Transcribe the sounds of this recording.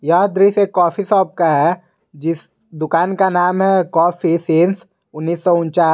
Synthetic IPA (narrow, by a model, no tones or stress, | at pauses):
jaːd̪ɾisekɔːfisɔːp̚kaɦɛ | d͡ʒɪs | d̪ʊkaːnkanaːmɦɛkɔːfiseːns | ʊnːiːsːɔʊnt͡ʃaː